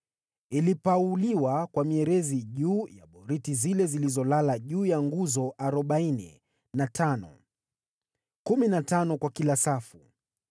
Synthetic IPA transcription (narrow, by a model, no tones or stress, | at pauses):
ilipauliwakwamiɛɾɛziʄuːja̰ɓɔɾitizilɛzilizɔlalaʄuːjaŋɡuzɔʔaɾɔɓainḭ | natʰanɔ̰ | kuminatanɔkwakilasafu